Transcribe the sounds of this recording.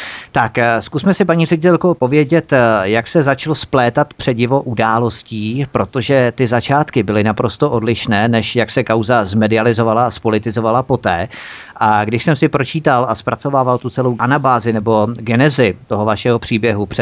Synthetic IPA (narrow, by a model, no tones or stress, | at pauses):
t̪akskusmɛsɪpaɲiːrɛɟɪt̪ɛlkopo̞vjɛɟɛt̪jaksɛzat͡ʃlosplɛːt̪at̪pr̥ɛɟɪvo̞ʔudaːlo̞sciːpɾo̞t̪o̞ʒɛt̪ɪzat͡ʃaːt̪kɪbɪlɪnapɾo̞st̪oʔo̞dlɪʃnɛːnɛʃjaksɛkawzazmɛdɪalɪzo̞valaaspo̞lɪt̪ɪzo̞valapo̞t̪ɛːʔaɡdɪʃsɛmsɪpɾo̞t͡ʃiːt̪alʔaspɾat͡so̞vaːvalt̪ut͡sɛlowʔanabaːzɪnɛbo̞ɡɛnɛzɪt̪oɦovaʃɛɦo̞pr̥iːbjɛɦuprɛ